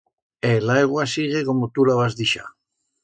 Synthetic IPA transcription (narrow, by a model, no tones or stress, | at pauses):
elajɣwasiɣekomot̪ulaβazðiʃa̰